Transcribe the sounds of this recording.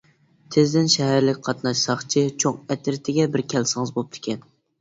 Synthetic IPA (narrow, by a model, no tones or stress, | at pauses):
t̪ʰɪzd̪ɪnʃɛɦæɾlɪkʲqʰɑt̪nɑʃsɑχt͡ʃʰit͡ʃʰoŋɛt̪ɪɾt̪ʰɪɡʲɛbɪɾkʲʰɛlsɪŋɨzbop̚t̪ʰɪ̥kʲɛn